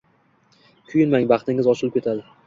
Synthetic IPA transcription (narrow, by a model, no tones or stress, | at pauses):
kʲʰʊjɪnmaŋbɑχt̪ɪŋɪzɒʃɪlˠɪp̚kʰʲe̞t̪ʰad̪ɪ